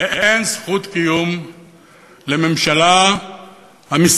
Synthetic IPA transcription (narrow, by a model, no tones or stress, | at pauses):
ʔensχut̪kijum | lememʃala | hamis